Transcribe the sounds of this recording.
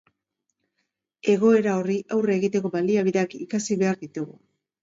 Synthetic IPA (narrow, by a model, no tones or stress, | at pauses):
e̞ɣ̞o̞e̞ɾao̞riʔawre̞ɣit̪e̞ko̞βald̪iaβiðeakikasiβe̞aɾðit̪uɣu